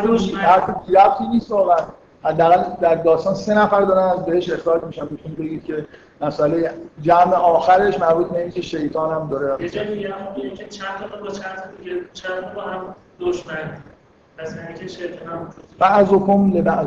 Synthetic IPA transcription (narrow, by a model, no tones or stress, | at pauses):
d̪ihæɾfebiɾæb̚t̪ʰiːniːst̪ɒːɣæ | hæd̪ːæːɣæld̪æɾd̪ɒːst̪ɒːnse̞næfæɾd̪ɒːɾænæzbe̞heʃe̞xtɒːlmiːʃænbet̪ʰunbe̞ɟiːd̪̥cʰe̞ | mæsʔælejed͡ʒæmeʔɒːxæɾe̞ʃmæɾbuːt̪̚be̞iːncʲʰe̞ʃe̞jt̪ʰɒːnhæmd̪ɒːɾeæed͡ʒɔːdijæmɔbeimcʰʲet͡ʃʰænt̪ʰɔmobɔt͡ʃʰænt̪ʰɔd̪iɡet͡ʃʰænt̪ɔbɔhæm | d̪oʃmæn | pʰæshæmikʲʰeʃejt̪ʰɒːnæmuub̥æʔzokʰomlebæʔz